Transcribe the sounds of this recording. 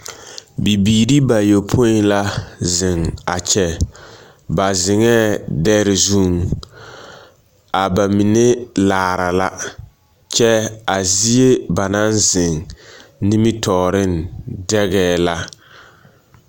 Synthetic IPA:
bi˨biː˨ɾi˦ba˨jo˨pʰo˦n˦la˦zɪ˨ŋa˨t͡ʃɛ˨ | ba˨zɪ˨ŋɛː˦dɛ˦ɾɪ˨zu˦˨ŋ | a˨ba˨mi˨ne˦laː˨ɾa˨la˦ | t͡ʃɛ˦a˨zi˦e˦ba˨na˦nzɪ˨ŋni˦mi˦tʰɔː˨ɾɪ˦ndɛ˦ɣɛː˦la˦

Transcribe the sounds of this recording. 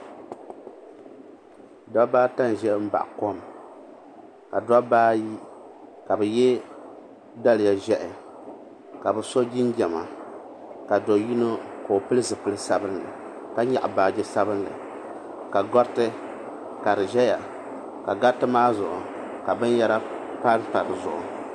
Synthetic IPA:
da˦baː˦ta˦n˨ʒɛ˦m̩˦ba̰˨ʔko˦m | ka˨da˦baː˦ji˦ | ka˨bɛ˨jɛ˦ | da˦lɪ˨ja˨ʒɛ˦ʔɪ˨ | ka˨bɨ˨so˦ɡi˦nɡɛ˨ma˨ | ka˨do˨ji˦no˦ko˨o˨pɨ˦lɨ˦zɨ˨pɨ˦lɨ˦sa˦bɨ˦nlɨ̰˨ka˦ɲa˨ʔbaː˨d͡ʒɛ˦sa˦bɨ˦nlɨ̰˨ | ka˨ɡɔ˦tɨ˦ | ka˨ɾɨ˨ʒɛ˦ja˨ | ka˨ɡa˦tːɨ˦maː˦zʊ˨ʔʊ˨ | ka˨bɨ˦n˦ja˦ɾa˦pa˦n˦pa˨ɾɨ̰˨zʊ̰˨ʔʊ˨

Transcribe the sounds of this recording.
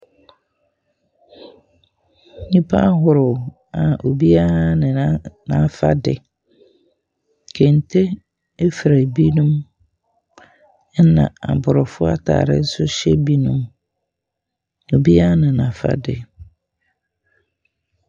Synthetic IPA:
nĩ˦pʰa˦ɦʊ˨ɾʊ˨ | a˨o˨bi˦a˦nɪ̃˨n˦nã˨˦fa̰˦dɪ˨ | kʰɛ˨n̩˨tʰe˦ | e˦fɾæ˨bi˦nũ˦m˦ | nã̰˨a̰˨bʊ˨ɾʊ˨fʊ˦a̰˦tʰa̰ː˨ɾɪ̰˦n̩˦sʊ˦ɕɛ˦bi˦nũ˦m | o˨bi˦a˦nɪ̃˨nã˨fa̰˦dɪ̰˨

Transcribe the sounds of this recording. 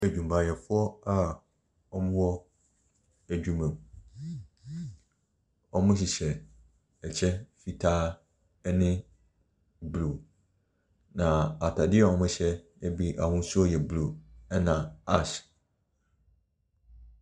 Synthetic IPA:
æ˨d͡ʑᶣũ˨m˨bʰa˨jɛ˨fʊ˦ɔ˦a˨ | ɔ˦mɪ̃˦wɔ˦ | æ˨d͡ʑᶣu˨mɛ̃˨m | ɔ˦mʊ̃˦ɕ̬i˨ɕɛ˨ | ɛ˨t͡ɕʰɛ˦fi˨tʰaː˦ | ɛ˦nɪ̃˦ | blu˨ | nã˨a˨tʰa˨dɪ˦ɛ˨wɔ̃˨˦mʊ̃˦ɕɛ˦ | ɛ˦bi˦ʔa˨hʊ̃˦n˦su˦ɔ˦jɛ˨blu˨ɛ˦nã˨a˦˨ɕ

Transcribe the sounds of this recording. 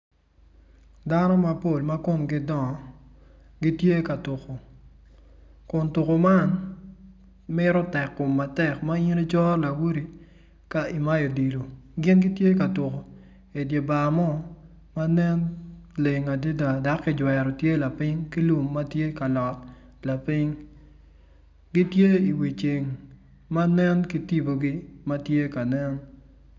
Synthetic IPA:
da˦nɔ˦ma˨po˦˨lma˦ko˦mɡɪ˦dɔ˨ | ɡi˦tje˦ka˨tu˨ko˨ | kʊ˨ntu˨ko˨ma˦n | mɪ˦ɾɔ˦tɛ˨kːʊ˨mːa˨tɛ˦˨kma˦i˦ɾi˦t͡ʃɔ˦la˨wu˦ɾi˨ | ka˦i˨ma˦jo˨di˨lo˨ɡɪ˦nɡɪ˦tje˦ka˨tu˨ko˨ | e˨dje˨ba˨mɔ˦ | ma˦nɛ˦nle˨ŋa˨de˦da˨da˨˦kːɪ˦d͡ʒwɛ˨ɾɔ˨tje˦la˨pɪ˦ŋki˦lu˨mːa˦tje˦ka˨lɔ˨t | la˨pɪ˦ŋ | ɡɪ˦tje˦i˨wi˨t͡ʃe˨ŋ | ma˦nɛ˦nki˦ti˦bo˨ɡi˦ma˦tje˦ka˨nɛ˦n

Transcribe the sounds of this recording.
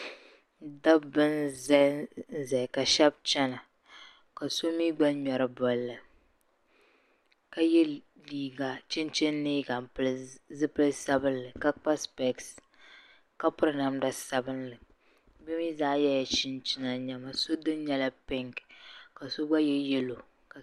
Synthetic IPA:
da˦bɨ˦nzza˨ka˨ʃɛ˦b̚t͡ʃɛ˦na˨ | ka˨so˦miː˦ɡ͡ba˦ɲɛ˨ɾɨ˨bɔ˨llɨ˨ | ka˦jɛ˦ | liː˨ɡa˨t͡ʃɪ˦nt͡ʃɪ˦n˦ni˦ɡa˨m˨pɨ˦lzɨ˦pɨ˦lɨ˦sa˦bɨ˦nlɨ˨ka˦k͡pa˦spɛ˨ks | ka˦pʊ˦ɾɨ˦na˨mda˨sa˦bɨ˦nlɨ˨ | bɛ˦mi˦zaː˦jɛ˦ja˨t͡ʃɪ˦nt͡ʃɪ˦na˨ɲɛ˨ma˨so˦dɨ˦n˦ɲɛ˦la˦pɪ˦ŋkka˨so˦ɡ͡ba˦jɛ˦jɛ˦lo˨ | ka˨

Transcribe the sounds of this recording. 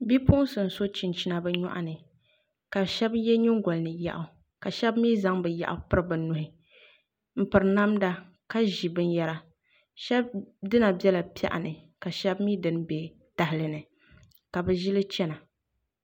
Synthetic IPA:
bi˦pʊ˦ʔsɨ˨n̩˨so˦t͡ʃi˨nt͡ʃi˦na˨bɛ˦ɲɔ̰˦ʔa̰˦nɨ˨ | ka˨ʃɛ˦bjɛ˦ɲu˦ŋɡɔ˨lnɨ˨ja̰˨ʔʊ˨ | ka˨ʃɛ˦bmiː˦za˦ŋbɨ˨ja̰˨ʔʊ̰˦pɨ˦ɾɨ˨bɨ˨nu˨hɪ˨ | m̩˨pɨ˨ɾɨ˨na˦mda˦ | ka˦ʒi˨bɨ˦n˦jɛ˦ɾa˨ | ʃɛ˦b̚dɨ˦na˨bɛ˦la˨pi˦a̰˦ʔa̰˨nɨ˨ | ka˨ʃɛ˦bmiː˦dɨ˦nbe˨ | d̥a˨hɪ˨lɨ˨nɨ˨ | ka˨bɨ˨ʒi˦lɨ˦t͡ʃɛ˦na˨

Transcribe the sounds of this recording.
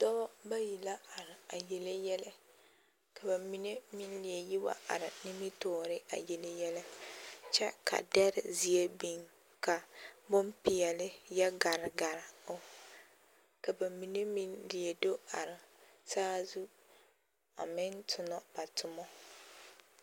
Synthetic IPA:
dɔ˦ba˦ji˨la˦a˨ɾɪ˨a˨je˨le˦jɛ˦lɛ˦ | ka˨ba˨mi˨ne˦mi˦n˦li˨e˨ji˦wa̰˦a̰˨ɾɪ˨nɪ˦mi˦tɔː˦ɾɪ˦a̰˨je˨le˦jɛ˦lɛ˦t͡ʃɛ˦kʰa̰˨dɛ˦ɾɪ˦zi˦e˦bi˨ŋ | ka˨bʊ˦mpɪ˨ɛ˨lɪ˦ja˦ɡa˨ɾɪ˨ɡa˨ɾɪ˨ʊ˦ | ka˨ba˨mi˨ne˦mi˦nli˨e˨do˦a˨ɾɪ˨saː˦zu˦ | a̰˨mɪ˦n˦tʰʊ˨nɔ˦b̥a˨tʊ˨mɔ˦

